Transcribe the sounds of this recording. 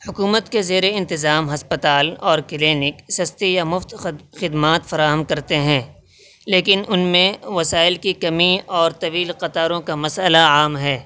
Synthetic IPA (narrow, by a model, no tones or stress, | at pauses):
hʊkuːmət̪kezeːɾeɪ̃nt̪ɪzaːmɦɐspət̪aːlɔːɾkɪleːnɪksɐst̪ijamʊft̪xɪd̪maːt̪fɐɾaːɦəmkɐɾt̪eɦɛ̃ː | leːkɪnʊnmẽʋɐsaːɪlkikɐmiɔːɾt̪ɐʋiːlqɐt̪aːɾõkamɐsəlaaːmɦɛː